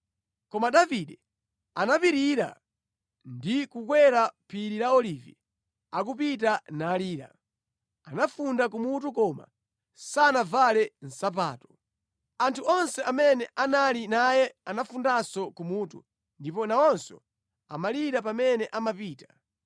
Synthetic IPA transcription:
kɔmaɗaviɗɛ | anapiɾiɾa̰ | ndikukwɛɾapʰiɾiɾaɔlivḭ | ak̬up̬it̬anaːliːɾa̰ | anafundak̬umut̬ukɔma̰ | sanavalɛn̩sap̬a̰ːtɔ̥ | antʰuɔnsɛʔamɛnɛʔanalinajɛanafundasɔkumuːtṵ | ndipɔnaɔnsɔ̰ | a̰maliɾapamɛnɛʔamapiːtḁ

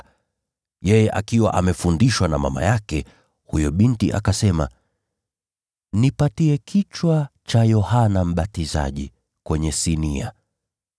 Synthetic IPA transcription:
jɛjɛʔakiwa̰ʔamɛfundiʃwanama̰ma̰jakɛ | hujɔɓintiʔa̰kasɛma̰ | nipatiɛkit͡ʃwat͡ʃajɔhanam̩ɓatiza̰ʄḭ | kwɛɲɛsinia̰

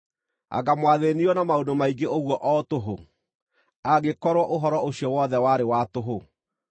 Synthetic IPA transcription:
a̰ɡamwaðeniɔnamaondomaiɡeoɣwɔʔɔːtoɦo | aɡekɔɾwɔʔoɦɔɾɔoɕjɔwɔðɛwaɾewatoɦo

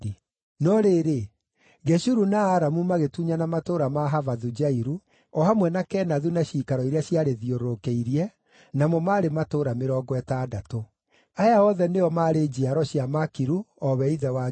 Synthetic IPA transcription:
nɔɾeɾe | ɣɛɕuɾunaːɾamumaɣetuɲanamatoɾamaɦavaðud͡ʒaiɾu | ɔhamwɛnakɛːnaðunaɕiːkaɾɔiɾeaɕjaɾeðioɾoɾokeiɾiɛ | namɔmaːɾematoɾameɾɔːɡɔɛtaːdato | ajaɔðɛneɔmaɾed͡ʑiaɾɔɕjamakiɾuɔβɛiðɛwa

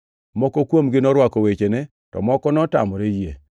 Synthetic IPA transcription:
mɔkɔkwomɡɪnɔɾwakɔwet͡ʃene | tɔ̰mɔkɔnɔta̰mɔɾejḛ

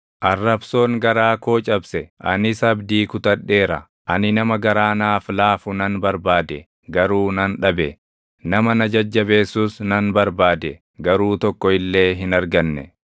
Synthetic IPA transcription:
ʔɐrːɐbso̞ːŋɡɐɾaːko̞ːt͡ʃʼɐbsɛʔɐnɪsɐbd̪iːkʊt̪ɐᶑːe̞ːɾɐ̰ | ʔɐnɪnɐmɐɡɐɾaːnaːflaːfʊnɐnbɐɾbaːd̪ɛ | ɡɐɾuːnɐnᶑɐbɛ | nɐmɐnɐd͡ʒɐd͡ʒːɐbe̞ːsuːsnɐnbɐɾbaːd̪ɛ | ɡɐɾuːt̪ɔkːɔɪlːe̞ːɦɪnɐɾɡɐnːɛ

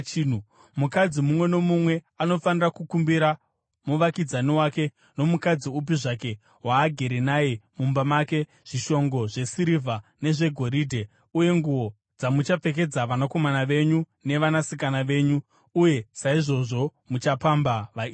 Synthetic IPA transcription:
u | mukad͡zimumwe̞no̞mumwe̞ | ano̞fanirakukumbiɾa | muʋakid͡zaniwake̞ | no̞mukad͡ziup̬iʐake̞ | ɦwaːɡʱe̞ɾenaːjemumbamake̞ | ʐ̥iʃo̞ŋɡo̞ʐe̞siɾivʱane̞ʐe̞ɡʱo̞ɾidʱe | uje̞ŋɡuʋo̞ | d͡zamut͡ʃap͡fe̞k̬e̞d͡zaʋanako̞manaʋe̞ɲu | ne̞ʋanasikanaʋe̞ːɲu | uje̞saiʐo̞ʐo̞mut͡ʃapambaʋai

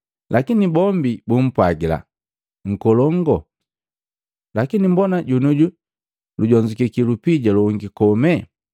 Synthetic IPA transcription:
lʔakinibɔmbibum̩pwaɡila̰ | ŋ̩kɔlɔŋɡɔ | lakinimbɔnaɟunuɟu | luɟɔɲd͡ʒikikilupiɟaluŋɡikɔmɛ

